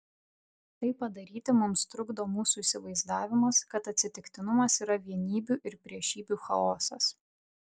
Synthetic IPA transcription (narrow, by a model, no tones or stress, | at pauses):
t̪ɐɪpːɐd̪ɐɾʲiːt̪ʲɪmʊmst̪ɾʊɡd̪oːmuːsuisʲɪʋɐɪzd̪ɑːʋʲɪmɐskɐt̪ɐt̪ʲsʲɪt̪ʲɪkt̪ʲɪnʊmɐsiːɾɐʋʲiɛnʲiːbʲuːˑʔɪɾpʲɾʲiɛʃʲiːbʲuːxɐ̰oːsɐs